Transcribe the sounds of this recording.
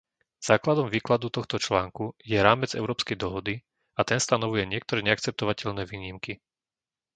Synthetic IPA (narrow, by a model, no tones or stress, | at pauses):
z̥aːklad̪ɔmʋiːklad̪ut̪ɔxt̪ɔt͡ʃlaːŋkujɛɾaːmɛd͡zɛ̰ʊɾɔːpskɛjd̪ɔɦɔd̪i | at̪ɛnst̪anɔʋujɛɲɪɛk̚t̪ɔɾɛːɲɛak̚t͡sɛp̚t̪ɔʋacɛʎnɛʋiːɲimki